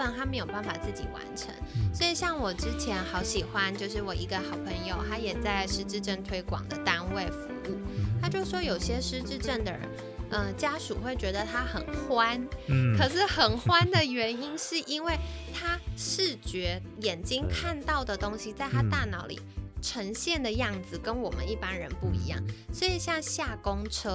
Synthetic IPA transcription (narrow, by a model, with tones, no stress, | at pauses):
ə˥˧˩nt̪a˥me˧˥ɪjo˨˩ʊba˥˩nfa˨˩t͡sɹ̩˥˩t͡ɕḭ˨˩wa̰˧˥nʈ͡ʂʰə̰˧˥˦ŋswɔ˧˥i˨˩ɕjɑ˥˩ŋwɔ˨˩ʈ͡ʂɻ̩˥t͡ɕʰjɛ˧˥nxɑ˧˥ʊɕi˨˩xwa˦˥nt͡ɕjo˥˧ʊʂ̬ɻ̩˥˩wɔ˨˩ʔi˧˥ɡə˧xɑ˨˩ʊpʰə˧˥ŋjo˨˧ʊt̪ʰa˥jɛ˨˩t͡sa˥˩ɪʂɻ̩˥ʈ͡ʂɻ̩˥˧ʈ͡ʂə˥˩ŋt̪ʰwe˥ɪkwɑ̰˨˩ŋd̪ə˦t̪a˥nwe˥˩ɪfu˧˥u˥˩t̪ʰa˥t͡ɕjo˥˧ʊʂ̩˥˩ʂwɔ˥jo˨˩ʊɕjɛ˥ʂɻ̩˥ʈ͡ʂɻ̩˥˧ʈ͡ʂə˥˩nd̪ə˩ɻə̰˧˦n | ʔə˧t͡ɕja˥ʂu˨˩xwe˥˩ɪt͡ɕɥɛ˧˥d̪ə˨t̪ʰa˥xə˨˩nxwa˥nkʰɤ˨˩ʂɻ̩˥˩xə˨˩nxwa˥nd̪ə˨ɥɛ˧˥ni˥nʂɻ̩˥˩ʔi˥nwe˥˩ɪt̪ʰa˥ʂɻ̩˥˩t͡ɕɥɛ˧˥ | jɛ˨˩nt͡ɕi˥ŋkʰa˥˧nt̪ɑ˥˩ʊd̪ə˩t̪o˥ŋɕi˨t͡sa˥˧ɪt̪ʰa˥t̪a˥˩nɑ˧˥ʊlḭ˨˩ʈ͡ʂʰə˧˥ŋɕjɛ˥˩nd̪ə˩jɑ˥˩ŋd͡zɹ̩˨˩kə˦nwɔ˨˩mə̰˦ni˥˩pa˥nɻə˧˦npu˥˩ḭ˧˥jɑ̰˥˩ŋswɔ˧˥i˨˩ɕjɑ˥˧ŋɕja˥˩kʊ˥ŋʈ͡ʂʰɤ˥